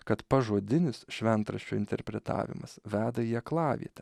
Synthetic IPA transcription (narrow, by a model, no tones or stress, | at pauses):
kɐt̪pɐʒoːd̪ʲɪnʲɪsʃʲʋʲɛnt̪ɾɐʃʲt͡ʃʲʊːɪnʲt̪ʲɛɾʲpʲɾʲɛt̪ɑ̰ːʋʲɪ̰mɐsʋʲæːd̪ɐjiɛklˠɑːʋʲḭɛt̪ʲɛ